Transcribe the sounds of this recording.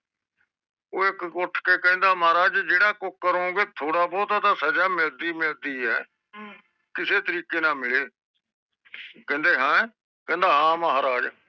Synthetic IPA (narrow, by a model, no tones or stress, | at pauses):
oːɪkɡoʈʰkeːkɛ̃ːnd̪aːmaːɾaːd͡ʒd͡ʒeːɽãːkʊkːəɾõːɡeːt̪ʰoːɽaːbɔːt̪at̪aːsəd͡ʒaːmɪld̪iːmɪld̪iːɦɛ̰ː | kɪseːt̪əɾiːkeːnãːmɪɭeː | kɛ̃ːnd̪eːɦãː | kɛ̃ːnd̪aːɦãːməɦaːɾaːd͡ʒ